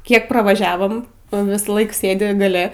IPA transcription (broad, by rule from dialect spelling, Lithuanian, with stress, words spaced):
ˈkʲiɛk prɐʋɐˈʒʲæːʋoːm ˈnʊ ˈʋʲɪsˌlˠɐɪk ˈsʲeːdʲɪ ɡɐˈlʲɛ